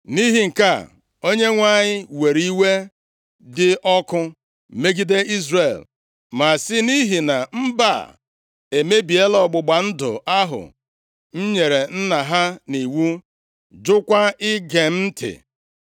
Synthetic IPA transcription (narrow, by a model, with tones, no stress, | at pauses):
ni˦ɦi˨ŋ̩˨ka˦˨ | o˦ɲe˦ŋʷa˦˨ɲɪ˦we˨ɾi˦we˦ | dɪ˦ʔɔ˦kʊ˦ | me˦ɡi˦de˦i˦zre˨l | ma˨sɪ˦ni˦ɦi˨na˨m̩˦ba̰˦˨ | e˨me˦bi˨e˦lɔ˨ɡ͡bʊ˨ɡ͡ba˨n̩˦dʊ̰˨a˦ɦʊ̰˨ | n̩˦ɲe˨ɾe˨n̩˦na˨ɦa˦ni˨wu˦ | d͡ʒʊ˦kʷa˦ɪ˦ɡe˨m̩˦n̩˦tʰɪ̰˨